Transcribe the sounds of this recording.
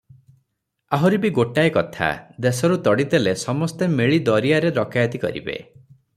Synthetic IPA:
aɦɔɾibiɡoʈaekɔt̪ʰa̰d̪esɔɾut̪ɔɽid̪elesɔmɔst̪emeɭid̪ɔɾijaɾeɾɔkajad̪ikɔ̰ɾḭbḛ

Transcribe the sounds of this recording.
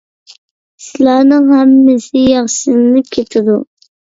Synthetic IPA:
sɪlˠæːnɨŋhæmːɪsɪjɑχsɨnnɪkʲʰet̪ʰɪd̪u

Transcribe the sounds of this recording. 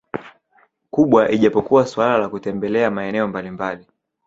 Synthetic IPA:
kuɓwaʔiʄapɔkuwaswalalakutɛmbɛlɛamaɛnɛɔmbalimbali

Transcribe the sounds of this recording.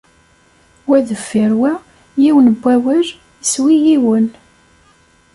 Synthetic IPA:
wæðəfːiɾwæ | jiwənəbʷːæwæʒ | swijiwən

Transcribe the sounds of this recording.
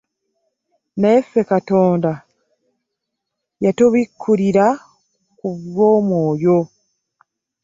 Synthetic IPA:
naefe̞kato̞ːnda | jatoβikʰːuɾiɾa | kuβwo̞ːmwoːjo̞

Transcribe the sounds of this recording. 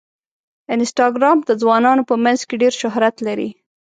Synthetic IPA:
ɪnsʈɑɡɾɑmd̪əd͡zwɑnɑnopəmanzkeɖeɾʃʊɦɾat̪laɾḭ

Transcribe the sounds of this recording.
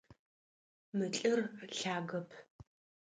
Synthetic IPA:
mɨt͡ɬʼɨrɬaːɣɐpʰ

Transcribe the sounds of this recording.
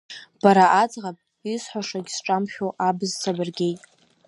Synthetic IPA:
b̥aɾaʔad͡zʁapʼ | isħʷaʂaɡʲsʈ͡ʂʼamχʲoʔabɨzt͡sʰabɨrɡʲe̞jtʼ

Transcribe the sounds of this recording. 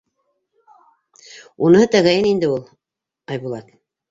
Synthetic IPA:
unɤɤt̪æɣæjɘnind̪ɘulˠ | ɑjβulˠɑt̪

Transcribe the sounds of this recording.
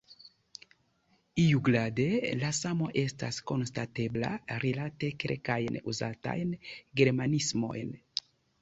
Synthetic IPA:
ijuɡladelasamoʔesta̰sko̞nstatebla̰ɾilatekeɾkajnuzata̰jnɡeɾmanismo̞̰jn

